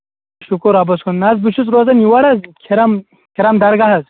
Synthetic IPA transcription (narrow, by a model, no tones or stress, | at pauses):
ʃukuɾabɐskʰunnɐzbiʃut͡sɾoːzɐniwɐɽɐzkʰiɾɐm | kʲʰiɾɐmd̪ɐɾɡaɦɐz